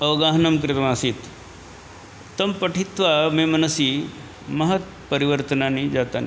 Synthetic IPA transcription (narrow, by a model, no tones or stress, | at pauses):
ɐʋɡaːɦɐnɐmkɾɪt̪maːsit̪ | t̪ːɐmpɐʈʰit̪ʋamemɐnɐsi | mɐɦɐt̪̚ | pɐɾiʋəɾt̪ənanid͡ʒat̪an̰